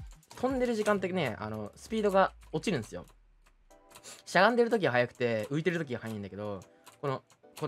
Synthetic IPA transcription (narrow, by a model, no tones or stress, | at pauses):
t̪ʰõ̞nd̪e̞ɾɯ̟ʑikãnt̪̬ːene̞a̰no̞sɨ̥pʲiːd̪o̞ɡao̞t͡ɕiɾɯ̟̃nesɨjo̞̰ | ɕaɡãnd̪e̞ɾɯ̟t̪o̞k̬ʲiɡaɦajakɯ̟̥t̪e̞ɯ̟it̪e̞ɾɯ̟t̪o̞k̬ʲiɡahajaĩnake̞d̪o̞ | ko̞no | ko